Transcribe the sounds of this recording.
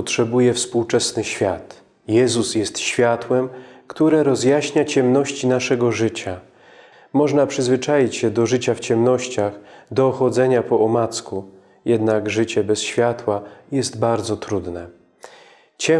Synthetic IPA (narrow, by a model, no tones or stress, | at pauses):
ɔtʂɛbujɛfspuwt͡ʂɛsnɘɕfʲjat̪ | jɛzusjɛst̪ɕfʲjat̪wɛmkt̪uɾɛɾɔzjaɕɲat͡ɕɛmnɔɕt͡ɕinaʂɛɡɔʐɘt͡ɕa | mɔʐnapʂɘzvɘt͡ʂajit͡ɕɕɛd̪ɔʐɘt͡ɕaft͡ɕɛmnɔɕt͡ɕaxd̪ɔːxɔd̪zɛɲapɔɔmat̪sku | jɛd̪naɡʐɘt͡ɕɛbɛsɕfʲjat̪wajɛst̪baɾd̪zɔt̪ɾud̪nɛ | t͡ɕɛ